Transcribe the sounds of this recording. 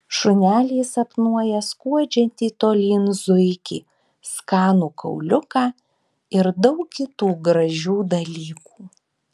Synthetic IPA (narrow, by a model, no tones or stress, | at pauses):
ʃʊnʲæːlʲiːsɐpnuɔjɛskuɔd͡ʒʲɛnʲt̪ʲiːt̪oːlʲiːnzʊɪkʲḭː | skɑːnuːkɐ̰ʊlʲʊkɑː | ɪɾd̪ɐʊkkʲɪt̪uːɡɾɐʒʲuːd̪ɐlʲiːkuː